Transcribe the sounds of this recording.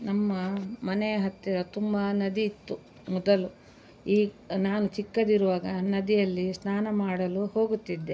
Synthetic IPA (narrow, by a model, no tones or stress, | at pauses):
nɐmːɐmɐnɛjɐɦɐt̪ːiɾɐt̪umbɐnɐd̪iːt̪ːu | mɔd̪ɐlu | iː | naːnut͡ʃʰikːɐd̪iɾuʋaːɡɐnɐd̪ijɐlːisnaːnɐmaːɽɐluho̞ːɡut̪ːid̪ːe